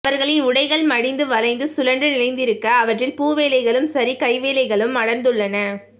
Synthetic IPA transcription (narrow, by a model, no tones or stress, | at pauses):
ɐɾɣɐɭɪnʊɽɐɪɣɐɭmɐɽɪnd̪ɯʋɐlɐɪnd̪ɯsʊlɐɳɖrɯnɪlɐɪnd̪ɪɾɯkːɐːʋɐʈrɪlpuːʋeːlɐɪɣɐɭɯmsɐɾikɐɪʋeːlɐɪɣɐɭɯmɐɽɐnd̪ɯɭːɐnɐ